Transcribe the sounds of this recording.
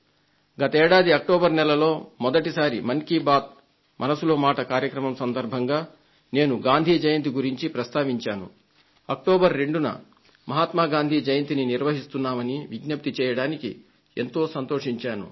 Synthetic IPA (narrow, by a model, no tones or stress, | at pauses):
ɡɐt̪ɐɛːɽaːd̪iɐk̚ʈoːbɐɾnɛlɐlo̞ːmɔd̪ɐʈisaːɾimɐŋkibaːt̪̚ | mʔɐnɐsulo̞ːmaːʈɐkaːɾjɐkɾɐmɐmsɐnd̪ɐɾbʱɐŋɡaː | ne̞ːnuɡaːnd̪ʱiːd͡ʒɐjɐnt̪̬iɡuɾiɲt͡ʃipɾɐst̪aːʋiɲt͡ʃaːnṵ | ɐk̚ʈoːbɐɾːe̞ɳɖunɐ̰ | mɐɦaːt̪maːɡaːnd̪ʱiːd͡ʒɐjɐnt̪ininiɾʋɐɦist̪unːaːmɐniʋiɡnɐp̚t̪it͡ʃɛːjɐɽaːnikḭ | e̞nt̪o̞ːsɐnt̪oːʂiɲt͡ʃaːnṵ